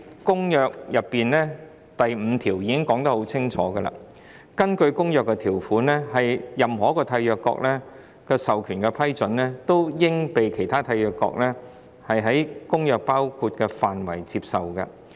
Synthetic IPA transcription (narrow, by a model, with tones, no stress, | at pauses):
kʊ˥ŋjœː˧k̚jɐ˨pːiː˨nlɛː˥ | t̪ɐ˨jm̩˨˧t̪ʰiː˨˩wjiː˨˧kɪ˥ŋkɔː˨˥ŋt̪ɐ˥ho˨˥wt͡sʰɪ˥ŋt͡ʃʰɔː˨˥ɡə˧la̰ː˧ | kɐ˥nkɵ˧ɥkʊ˥ŋjœː˨kːɛ˧t̪ʰiː˨˩wfuː˨˥nlɛː˥ɦɐ˨jjɐ˨mɦɔː˨˥kɔː˧t̪ʰɐ˧jœː˧kːɔ̰˧k̚lɛ˥ | kɛ˧sɐ˨wkʰyː˨˩nkɛ˧pʰɐ˥jt͡sɵ˨˥nlɛː˥t̪o˥wjɪ˥ŋpe˨jkʰe˨˩jt̪ʰaː˥t̪ʰɐ˧jœː˨˧kːɔ̰ː˧k̚lɛ˥ | hɐ˨jɦɐ˨˥jkʊ˥ŋjœː˧k̚paː˥wkʰu˧t̚kɛ˧faː˨nwɐ˨˩jt͡si˧p̚sɐ˨wɡɐ̰˧